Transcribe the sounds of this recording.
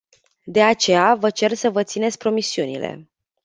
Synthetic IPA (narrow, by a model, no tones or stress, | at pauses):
d̪e̞at͡ʃe̞javət͡ʃe̞rsəvət̪sine̞t̪sʲpɾo̞misiunḭle̞̰